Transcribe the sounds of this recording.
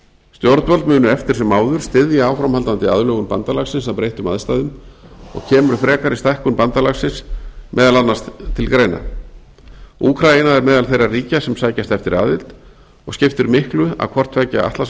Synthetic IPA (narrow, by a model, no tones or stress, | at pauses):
st̪jɔɾt̪vœlt̪mʏːnʏɛft̪ɪɾ̥sɛmːaːwðʏɾ̥st̪ɪðjɪaːwfɾamhalt̪ant̪ɪa̰ðlœːɣʏnpa̰nt̪alaxsɪnsaðwpɾejht̪ʏma̰ðst̪ajðʏmɔ̰ɣcʰɛːmʏɾ̥fɾɛːkaɾist̪ajhkʏnpant̪alaxsɪnsmʔɛːðalanːastt̪ʰɪlkɾeːjna̰ | uːkʰɾajɪnaɛɾmɛːðalθejrːariːcasɛmsaːjcast̪ɛft̪ɪɾa̰ːðvɪlt̪ | ɔɣscɪft̪ʏɾmɪhklʏa̰kʰvɔr̥t̪vɛːcaa̰ht̪las